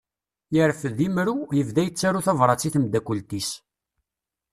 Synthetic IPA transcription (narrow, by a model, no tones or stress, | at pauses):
jəɾəfðimɾujəvðæjət͡sːæɾuθɑvɾˤɑt͡sːiθəmd̪ækːult̪is